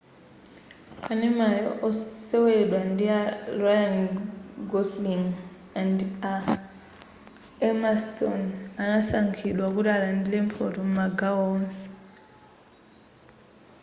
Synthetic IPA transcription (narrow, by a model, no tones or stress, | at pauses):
kanimajɔ̰ʔɔseweɗwandiarɔjanɡɔsliŋ | anda | ɛmastɔnanasaŋkʰiɗwakuɾalandilempʰotomumaɡawɔnsi̥